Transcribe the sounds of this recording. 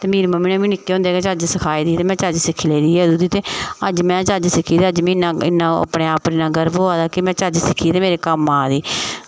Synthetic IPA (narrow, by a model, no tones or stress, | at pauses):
t̪eːmiːɾːməmĩːnẽːmĩːnɪkːeːɦʊ̃nd̪eːɡeːt͡ʃəd͡ʒsəkʰaːiːd̪iːt̪eːmɛ̃ːt͡ʃəd͡ʒsɪkʰːleːd̪iːeəd̪uːd̪iːt̪eːəd͡ʒmɛ̃ːt͡ʃəd͡ʒsɪkʰːiːd̪ːəd͡ʒmĩːɪnãːɪ̰nːãːə̰pɽeːaːpɾɪnãːɡəɾboːaːd̪aːkɪmɛ̃ːt͡ʃəd͡ʒsɪkʰːiːt̪eːmeːɾeːkəmaːd̪iː